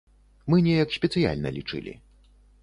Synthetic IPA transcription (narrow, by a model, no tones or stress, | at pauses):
mɨnʲɛjɐksʲpʲɛt̪sɨja̰lʲnɐlʲit͡ʂɨ̰lʲḭ